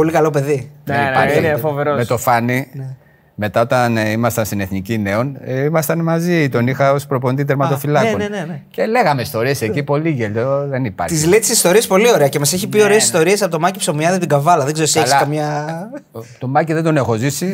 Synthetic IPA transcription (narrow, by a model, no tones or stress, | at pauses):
po̞likɐlo̞pe̞ðiðeiɐɾfoveɾomet̪o̞fɐnine | me̞t̪ɐo̞t̪ɐnimɐst̪ɐnst̪ineθnicine̞o̞nimɐst̪ɐnmɐzit̪o̞nixɐospɾo̞pond̪iðeɾmɐt̪ofilɐkonnence̞le̞ɣɐmeist̪o̞ɾie̞se̞cipo̞liʝeʎoðenipɐ̰ɾt̪izlet̪i̥sist̪o̞ɾiɐspo̞lio̞ɾeɐcemɐseçipio̞ɾeːsist̪o̞ɾiɐsɐpot̪o̞mɐcipsomiɐðit̪iɡɐvɐlɐðeɡzeɾosielsɐkɐmɲɐ | t̪o̞mɐciðend̪o̞nexo̞zisi